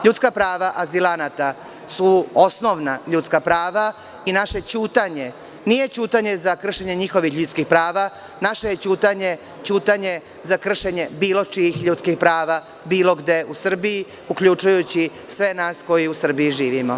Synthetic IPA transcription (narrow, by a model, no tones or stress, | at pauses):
ʎut̪skapɾaːʋaʔazilanat̪a | suosno̞ʋnaʎut̪skapɾaːʋa | inaʃet͡ɕuːt̪aɲe̞ | nije̞t͡ɕuːt̪aɲe̞zakr̩ʃeɲeɲixo̞ʋixʎut̪skixpɾaːʋa | naʃe̞jet͡ɕuːt̪aɲe̞ | t͡ɕuːt̪aɲe̞ | zakr̩ʃe̞ɲe̞biːlo̞t͡ʃijixʎuːt̪skixpɾaːʋa | biːlo̞ɡd̪e̞ʔusr̩biji | ukʎut͡ʃujut͡ɕi | sʋe̞naːsko̞jiusr̩bijiʒiːʋimo